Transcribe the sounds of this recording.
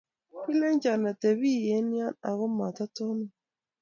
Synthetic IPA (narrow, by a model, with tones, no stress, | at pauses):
pi˦lɛ˦ɲd͡ʒa˨na˨tɛ˨βi˦˨jɛ˨˦nja˦na̰˨ɣɔ˦ma˨ta˦tɔ˦nɔ˦